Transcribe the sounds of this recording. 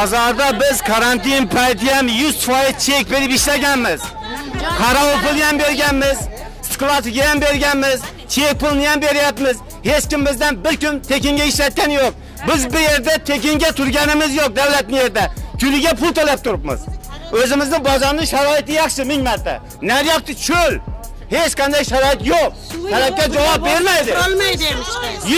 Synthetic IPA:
bɒzɑɾd̪abɪzkʰaɾant̪ɪnpʰajt̪ʰɪjamjʊz̥t̪fɒjɪzt͡ʃʰe̞k̚ʲbe̞ɾɪpɪʃlaɡʲanmɪz | hʰɑɾɑpʊlˠjambe̞ɾɡʲanmɪz | sklˠasɪɡʲajambe̞ɾɡʲanmɪz | t͡ʃʰek̚ʲpʊlˠnɪjambe̞ɾɪjapmɪz | he̞t͡ʃkʲɪmbɪzd̪anbɪɾkʲʊnt̪ʰekʲɪŋɡʲaɪʃlat̪̚kʲanjoq̚ | bɪzbɪje̞ɾd̪at̪ʰe̞kʲɪŋɡʲat̪ʰʊɾɡʲanɪmɪzjoq̚d̪awlat̪̚nɪje̞ɾd̪akʰʲʊlɪɡʲapʊlˠt̪olap̚t̪ʰʊɾɪpmɪ̰z | ɵzɪmɪznɪbɒzɒɾnɪʃaɾɒɪt̪ɪjɑχʃɪmɪŋmaɾt̪ʰa̰ | naɾjap̚t̪ɪt͡ʃʰɵl | he̞t͡ʃqʰɑnd̪ajʃaɾɒɪt̪joq̚ | t̪ʰalap̚kʲad͡ʒawɑp̚beɾmajd̪ɪlˠjd̪

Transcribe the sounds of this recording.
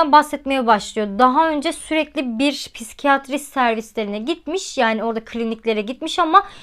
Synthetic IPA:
anbahsɛt̪me̞jɛbaʃlˠɯjo̞d̪aɦaø̞nd͡ʒɛsyɾɛclʲibiɾpʰisi̥cʰijat̪ʰɾisæɾvislʲe̞ɾinɛɟit̪̚miʃjaːnio̞ɾd̪akʰlʲinicʲlʲe̞ɾɛɟit̪miʃama

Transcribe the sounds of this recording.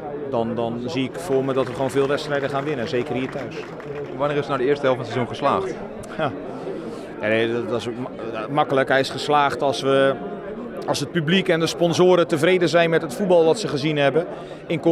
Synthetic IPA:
dɔndɔnziɪkfʊːrmədɔtʋəɣwoːnvɪːlˠʋɛtstrɛjdəχaːnʋɪnəzeːkərɦiːətʰœɥs | ʋaniːrɪsnadəɪəstəɦɛlˠfɔnsɛzuŋχəslaːxt | ja | jaddɔsokmakələkɦɛjɪsχəslaːxtɔlˠsʋə | ɔlˠsət̚pyblikɛndəspɔnzoːɾətəvreːdəzɛjnmɛtɦətfubɑlˠʋɔtsəχəzinɦɛbə | ɪnko

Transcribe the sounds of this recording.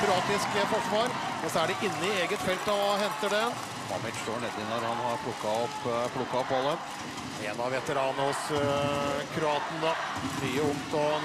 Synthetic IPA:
kɾʉɑːt̪ɪskəpɔt̪fɑɾɔsɔæɖɛʔɪnːəɪeːɡət̪fɛlt̪ɔɦɛnt̪əɖɛ | mɑ̰mɪt̪ʂt̪oːɳɛd̪ɪnɔɾhɑnhɑɾpʰlʊkːɑɔpːpʰlʊkːɑɔpɑləm | ɛ̰ːnɑʋʋɛt̪əɾɑːnəhɔs | kʰɾʉɑːt̪nəd̪ɑ | fɾyːəʊŋt̪ɔ

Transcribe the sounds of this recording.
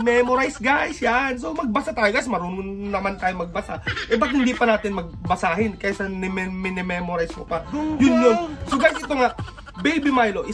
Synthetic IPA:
mɛmoɾajsɡajsjanso̞mɐɡ̚bɐsat̪aːjoɡajsmɐɾuːnʊnɐmant̪aːjoŋmɐɡ̚bɐsa̰ʔɛbɐk̪hɪnd̪ipɐnaːt̪ɪnmɐɡ̚bɐsaːɦɪnkajasɐnɛmɛmɛnɛmɛmoɾajsmopajʊnjonsoɡajsɪt̪oŋaʔ | bɛjbimajloʔɪ

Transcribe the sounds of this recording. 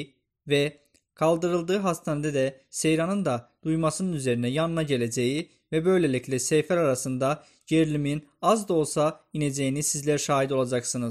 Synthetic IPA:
vɛ | kʰɑlˠd̪ɯɾɯlˠd̪ɯːɦɑst̪ʰɑned̪ɛd̪ɛse̞jɾɑnɯnd̪ɑd̪̥ujmɑsɯnɯnyzeɾinɛjɑnɯnɑɟeled͡ʒeji | vɛbø̞jlelʲiclʲɛsejfæɾaɾasɯnd̪ɑ | ɟeɾlʲimin | ɑzd̪o̞lˠsained͡ʒejinizsizlʲæɾʃaːɦid̪o̞lˠɑd͡ʒɑksɯnɯz

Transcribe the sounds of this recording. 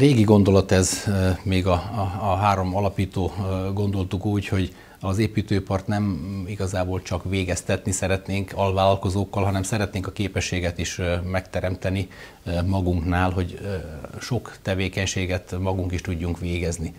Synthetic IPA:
reːɡiɡo̞nd̪o̞lɒt̪ɛzmeːɡɒɦaːɾo̞mɒlɒpiːt̪oːɡo̞nd̪o̞lt̪ukuːcho̞ɟ | ɒzeːpiːt̪øːpɒrt̪nɛmiɡɒzaːboːlt͡ʃɒkʋeːɡɛst̪ɛt̪nisɛɾɛt̪neːŋkɒlvaːlɒlko̞zoːkːɒlɦɒnɛmsɛɾɛt̪neːŋkɒkeːpɛʃːeːɡɛt̪iʃmɛkt̪ɛɾɛmt̪ɛni | mɒɡuŋknaːlɦo̞ɟ | ʃo̞kt̪ɛveːkɛɲʃeːɡɛt̪mɒɡuŋkiʃt̪uɟːuŋkʋeːɡɛzni

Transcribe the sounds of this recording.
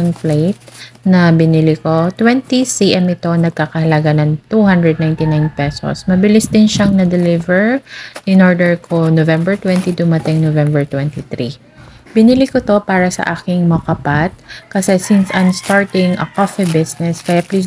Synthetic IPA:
ɐŋplejt̪̚nɐbɪnɪlɪko̞t̪wɛnt̪isiʔɛmɪt̪o̞nɐɡ̚kakɐhɐlɐɡanɐŋt̪uhand̪ɹɛd̪najnt̪ɪnajnpɛso̰smɐbɪlɪsd̪ɪnʃaŋnɐd̪ɛlɪvɛɹʔɪnʔoɹd̪ɛɹkʰonovɛmbɛɹt̪wɛnt̪id̪ʊmɐt̪ɪŋnovɛmbɛɹt̪wɛnt̪it̪ɾi | bɪnɪlikot̪o̞paːɾɐsɐ̰ʔaːkɪŋmɐkɐpat̪̚kɐsɛsɪnsʔɐnst̪aɹt̪ɪŋʔɐ̰kofɛbɪsnɛskɐjapliːs

